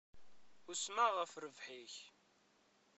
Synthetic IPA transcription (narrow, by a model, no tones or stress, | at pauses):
ʊsmaʁəfɾəvħiç